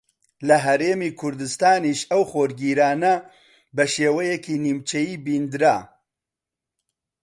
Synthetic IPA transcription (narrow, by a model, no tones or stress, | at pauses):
lɐɦɐɾeːmiːkʰʊɾd̪ɨst̪aːniʃɐwχoːɾɡiːɾaːnɐ | bɐʃeːwɐjɛkinimt͡ʃʰɐjiːbind̪ɾaː